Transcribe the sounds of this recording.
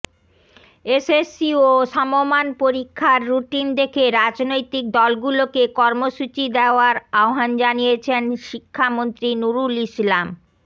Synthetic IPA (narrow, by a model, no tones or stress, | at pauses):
esesioʃɔmomanpoɾikʰːaɾːuʈind̪ekʰeɾad͡ʑnojt̪ik̚d̪ɔlɡulokekɔɾmoʃut͡ɕid̪eoaɾaoɦand͡ʑanijet͡ɕʰenʃikʰːamont̪ɾinuɾulislam